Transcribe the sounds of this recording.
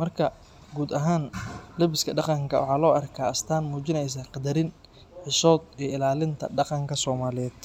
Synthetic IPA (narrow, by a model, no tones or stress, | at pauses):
mɐrkʰɐ | ɡuːd̪ɐɦaːnlɛbɪskʰɐɖɑqɑŋkʰɐ̰wɑ̰ħɑːlɔːʔɐrkʰaːɐst̪ʰaːnmuːt͡ʃɪnɛjs̬aːqɑd̪ɐɾɪn | ħɪʃɔːd̪ijɪlaːlɪnt̪ʰɐ̰ɖɑqɑŋkʰɐsɔːmaːlɪjɛːd̪̥